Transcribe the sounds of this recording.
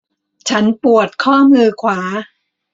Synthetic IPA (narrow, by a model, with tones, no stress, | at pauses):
t͡ɕʰa˦˥npu˨˩ət̪̚kʰɔː˥˩mɯː˧kʰwaː˩˦